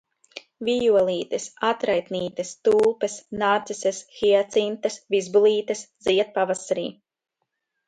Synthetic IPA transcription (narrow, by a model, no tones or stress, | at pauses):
vʲijuɔlˠiːt̪ɐsat̪ɾajt̪niːt̪ɐst̪uːlˠpɛsnaːt̪sisʲɛsxiɛt̪sint̪ɐsvizbulˠiːt̪ɐsziɛt̪̚pavasaɾḭː